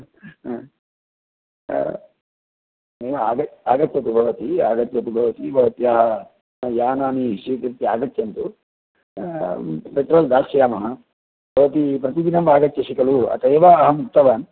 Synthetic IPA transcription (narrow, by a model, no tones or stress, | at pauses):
eːʋaːɡɐt̪aːɡɐt̪jɐt̪ubʱɐʋɐt̪iaːɡɐt̪jɐt̪ubʱɐʋɐt̪ibʱɐʋɐt̪jaːɦɐ | jaːnaːniʃit̪iɾt̪ːiaːɡɐt̪jɐnt̪u | pet̪ɾoːld̪aːsɐjaːmɐɦɐ | bʱɐʋɐt̪ipɾɐt̪id̪inɐmbaːɡɐt̪jɐʃikɐluɐ̰t̪ɐjːʋaːɐɦɐmuk̚t̪ɐʋaːn